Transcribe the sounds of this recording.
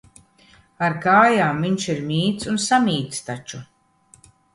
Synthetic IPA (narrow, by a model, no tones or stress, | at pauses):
aɾkaːjaːmviɲʃiɾmʲiːt̪sunsamʲiːt̪st̪at͡ʃu